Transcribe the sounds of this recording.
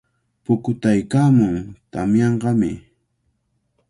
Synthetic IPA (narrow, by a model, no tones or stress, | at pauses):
pʊkʊt̪ajkaːmʊŋt̪amjɑɴɢɑmɪ̰